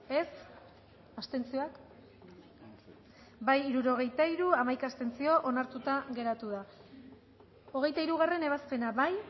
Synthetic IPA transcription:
e̞s | ast̪e̞nt͡sioak | bajiɾuɾo̞ɣ̞e̞jt̪aiɾuamajkaːst̪e̞nt͡sio̞ʔo̞naɾt̪ut̪aɣe̞ɾat̪uð̞a | o̞ɣ̞e̞jt̪aiɾuɣ̞are̞ne̞βaspe̞naβaj

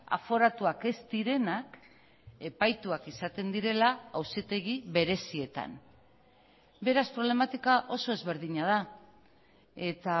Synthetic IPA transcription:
a̰fo̞ɾat̪uake̞st̪iɾe̞nak | e̞pajt̪uakisat̪e̞nd̪iɾe̞laawsit̪e̞ɣiβe̞ɾe̞sie̞t̪a̰n | be̞ɾaspɾo̞β̞le̞mat̪ikaʔo̞so̞e̞zβe̞ɾðiɲað̞a | e̞t̪a

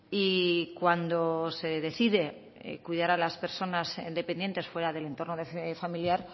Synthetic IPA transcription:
ikwand̪ose̞ðe̞θiðe̞̰ | kwiðaɾalaspe̞ɾso̞nazd̪e̞pe̞nje̞nt̪e̞sfwe̞ɾaðe̞le̞nt̪o̞rnoðeffamiljaɾ

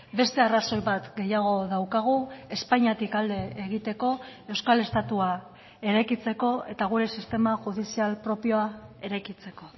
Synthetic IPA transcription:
be̞st̪e̞araso̞jβat̪ɡe̞jaɣ̞o̞ðawkaɣ̞ue̞spaɲat̪ikald̪e̞ːɣ̞it̪e̞ko̞e̞wskale̞st̪at̪ua | e̞ɾajkit͡se̞ko̞e̞t̪aɣ̞uɾe̞sist̪e̞maʝuð̞isialpɾo̞pio̞ae̞ɾajkit͡se̞ko̞

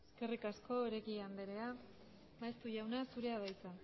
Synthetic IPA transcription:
eske̞rikasko̞eɾekiand̪eɾe̞a | βaest̪uʝawnasuɾe̞aβajt͡sa

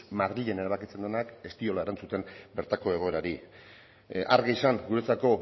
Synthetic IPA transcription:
maɾiʎene̞ɾaβ̞akit͡se̞nd̪e̞nake̞st̪io̞laeɾant͡sut̪e̞mbe̞ɾt̪ako̞e̞ɣ̞o̞e̞ɾaɾi | ʔa̰ɾɣeisaŋɡuɾe̞t͡sako̞

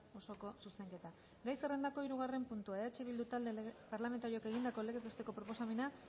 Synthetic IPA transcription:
o̞so̞ko̞suse̞ŋke̞t̪a | ɡajsere̞nd̪ako̞iɾuɣ̞are̞mpunt̪uaeat͡ʃeβild̪ut̪ald̪epaɾlame̞nt̪aɾioke̞ɣ̞ind̪ako̞le̞ɣezβet̪e̞ko̞pɾo̞po̞same̞na

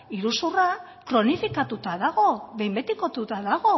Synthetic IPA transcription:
iɾusura | kɾo̞nifikat̪ut̪aðaɣo̞βe̞jmbe̞t̪ikot̪ut̪aðaɣo̞

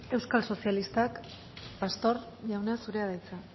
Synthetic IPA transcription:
e̞wskalso̞sialist̪ak | past̪o̞ɾ | ʝawneasuɾe̞aðajt͡sa

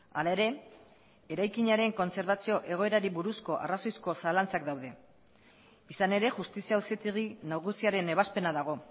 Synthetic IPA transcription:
alae̞ɾe̞ | eɾajkiɲaɾe̞ŋko̞nse̞ɾβat͡sio̞ʔe̞ɣ̞o̞e̞ɾaɾiβuɾusko̞ʔa̰raso̞jsko̞salant͡sakd̪awðe̞ | isane̞ɾe̞ʝust̪isiauset̪iɣinaɣusiaɾe̞ne̞βaspe̞naðaɣ̞o̞

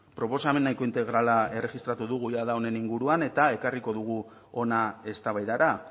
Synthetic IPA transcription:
pɾo̞po̞same̞nːajko̞int̪e̞ɣɾalae̞re̞ɣist̪ɾat̪uðuɣ̞ujaðao̞ne̞niŋɡuɾuane̞t̪ae̞kariko̞ðuɣ̞u | o̞nae̞st̪aβajðaɾa

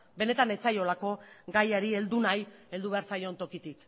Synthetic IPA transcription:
be̞ne̞t̪ane̞t͡sajo̞lako̞ɡajaɾie̞ld̪unaje̞ld̪uβe̞aɾt͡sajo̞nt̪o̞kit̪ik

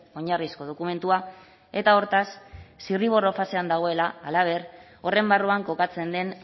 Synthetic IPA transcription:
o̞ɲarisko̞ð̞o̞kume̞nt̪ua | e̞t̪ao̞ɾt̪asːiriβo̞ro̞fase̞and̪aɣ̞o̞e̞laːlaβ̞e̞r | o̞re̞mbaruaŋko̞kat͡se̞nd̪e̞n

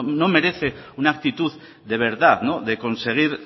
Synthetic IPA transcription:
nome̞ɾe̞θe̞unaːk̚t̪it̪uð | ðe̞β̞e̞ɾðaðnoðe̞ko̞nse̞ɣ̞iɾ

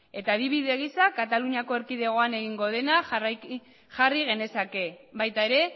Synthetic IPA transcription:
e̞t̪aðiβiðe̞ɣ̞isakat̪aluɲiako̞e̞ɾkiðe̞ɣ̞o̞ane̞ɣiŋɡo̞ð̞e̞nar | ʝariɣ̞e̞ne̞sake̞βajt̪ae̞ɾe̞

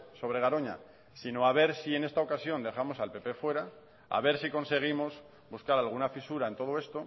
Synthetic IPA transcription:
so̞β̞ɾe̞ɣ̞aɾo̞ɲa̰ | sino̞aβ̞e̞ɾsie̞ne̞st̪ao̞kasjo̞nd̪e̞χamo̞salpe̞pe̞fwe̞ɾa | a̰β̞e̞ɾsiko̞nse̞ɣ̞imo̞s | buskaɾalɣ̞unafisuɾaent̪o̞ð̞oe̞st̪o̞

